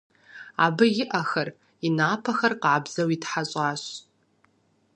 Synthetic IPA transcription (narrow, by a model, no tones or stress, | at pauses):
a̰bɨjɪʔaxar | inaːpʰaxarqʕabzawitħaɕʷʼaʃʷ